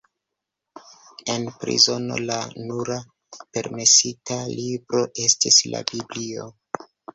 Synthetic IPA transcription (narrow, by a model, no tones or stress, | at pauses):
e̞npɾḭzo̞no̞̰lanuɾa | pe̞ɾme̞sitalibɾo̞ʔe̞stisla̰biblio̞̰